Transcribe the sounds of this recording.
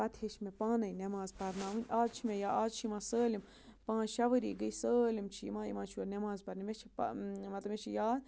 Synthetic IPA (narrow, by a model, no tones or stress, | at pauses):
pɐt̪ʰeːt͡ʃʰmẽpãːnɐjnɐmaːzpɐɾnaːʋɨnʲaːzt͡ʃʰimẽjaːaːzt͡ʃʰimãːsəːlim | pãːnʃɐʋəɾḭːɡəisəːlimt͡ʃʰimãːḭmãːt͡ʃʰiɐnemaːzpɐɾnimet͡ʃʰipmɐt̪lɐbmet͡ʃʰijaː